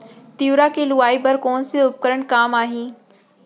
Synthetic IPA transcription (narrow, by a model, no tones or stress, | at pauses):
t̪iːʋɾakelʊaːipɐɾkoːnsiʊp̚kəɾəɽ̃kaːmaːɦĩː